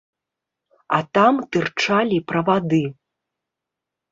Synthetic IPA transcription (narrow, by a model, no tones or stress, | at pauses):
ɐt̪amt̪ɨrt͡ʂalʲipɾɐvad̪ɨ